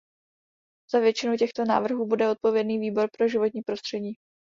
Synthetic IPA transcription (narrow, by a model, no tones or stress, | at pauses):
z̥avjɛt͡ʃɪnucɛxt̪o̞na̰ːvr̩ɦuːbudɛo̞t̪̚po̞vjɛdniːviːbo̞ɾpɾo̞ʒɪvo̞t̪ɲiːpɾo̞st̪r̝̥ɛɟiː